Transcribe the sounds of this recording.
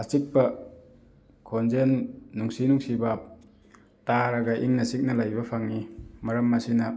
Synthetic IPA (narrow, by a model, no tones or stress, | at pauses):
asik̚pɐ | kʰonzenːuŋsinuŋsibɐ | taɾaɡɐʔiŋnɐsik̚nɐlajbɐpʰaŋːimɐɾɐmːasinɐ